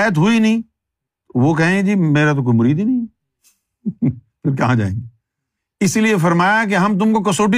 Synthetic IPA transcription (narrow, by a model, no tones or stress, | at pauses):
ət̪̬ɦʊinɐɦĩ | t̪oʋok̬ɛɦẽed͡ʒiːmeːɾat̪̬ok̬oːimʊɾiːd̪inɐĩ | pʰɪɾkɐɦãd͡ʒa̰ːḛ̃ːɡeː | ɪsiliefɐɾmaːjak̬eɦɐmt̪̬ʊmkok̬ɐsoːʈ̬i